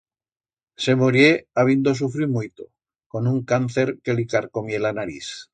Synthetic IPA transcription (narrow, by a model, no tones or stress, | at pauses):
se̞moɾjeaβ̞ind̪os̬ufɾimujt̪o̰ | ko̞nuŋkan̟θeɾkelikaɾkomjelanaɾis